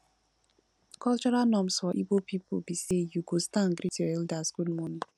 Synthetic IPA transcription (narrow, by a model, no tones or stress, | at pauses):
kʰɔlt͡ʃɔɾalnɔ̃msfɔʔibopʰipo̰bisejuɡostãnɡɾitəɛldasɡudmɔ̃ni